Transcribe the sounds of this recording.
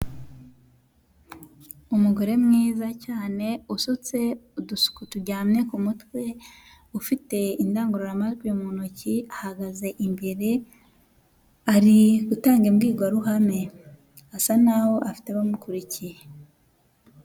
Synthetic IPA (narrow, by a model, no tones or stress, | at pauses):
umuɡo̞ɾe̞mŋiːzacaːne̞usut͡se̞dukutuɟaːmne̞kumutwe̞ | ufite̞indaːŋɡuɾoɾamazɡwiomonociahaɡaze̞ʔimbeɾe̞ | aɾiɡutaːŋɡemɡiːɡwaɾuɦame̞ | asanaho̞ʔafi̥teaβamukuɾicije